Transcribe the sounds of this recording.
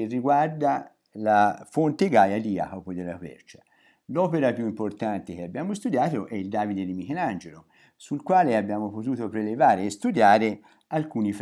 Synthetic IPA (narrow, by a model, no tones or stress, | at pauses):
erːiɡward̪a | lafont̪eɡajad̪ia̰kopɔjd̪elːakwɛ̰rt͡ʃḁ | lɔːpeɾapjuimport̪ant̪ekeabːjaːmost̪ud̪jaːt̪oʔɛild̪aːvid̪ed̪imikenand͡ʒelo | sulkwaːleabːjaːmopot̪uːt̪opɾelevaːɾeːst̪ud̪jaːɾe | alkuːnif